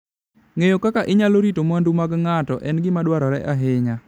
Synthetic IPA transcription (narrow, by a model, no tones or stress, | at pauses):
ŋejokakaʔɪɲaloɾitomandumaɡŋatɔʔɛnɡɪmadwaɾɔɾɛʔaɦɪɲa